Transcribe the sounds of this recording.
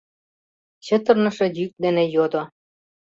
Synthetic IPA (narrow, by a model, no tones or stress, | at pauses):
ɕə̆t̪ɤ̆rnɤ̆ʃĕjyk̚d̪enĕjod̪o